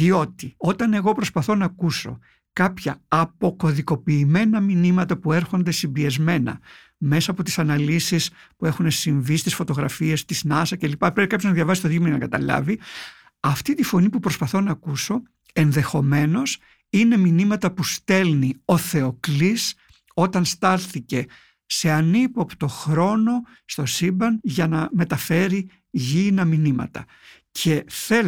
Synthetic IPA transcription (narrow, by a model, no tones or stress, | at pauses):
io̞t̪io̞t̪ɐne̞ɣo̞pɾo̞spɐθo̞nɐːkuso̞̰ | kɐpçɐːpo̞ko̞ðiko̞piːme̞nɐminimɐt̪ɐpue̞ɾxo̞nd̪e̞simbiezme̞nɐ̰ | me̞sɐːpo̞t̪i̥sɐnɐlisispue̞xune̞siɱvist̪isfo̞t̪o̞ɣɾɐfie̞st̪iznɐsɐce̞lipɐpɾepikɐpjo̞znɐðjʝɐvɐsist̪oðimeninɐ̰kɐt̪ɐ̰lɐ̰vi | ɐft̪it̪ifo̞nipupɾo̞spɐθo̞nɐːkuso̞ | e̞nðe̞xo̞me̞no̞s | ine̞minimɐt̪ɐpust̪e̞lnio̞θe̞o̞klis | o̞t̪ɐnst̪ɐlθice̞ | se̞ɐnipopt̪o̞xɾo̞no̞ | st̪o̞sibɐnʝɐnɐme̞t̪ɐfe̞ɾi | ʝinɐminimɐ̰t̪ɐ̰ | cʰe̞θe